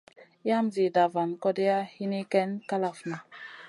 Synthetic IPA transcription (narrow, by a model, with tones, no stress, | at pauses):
ja˦mzi˨da˨va˨nkɔ˦dɛ˦ja˦hi˦ni˦kɛ˦nka˦la˨fna˨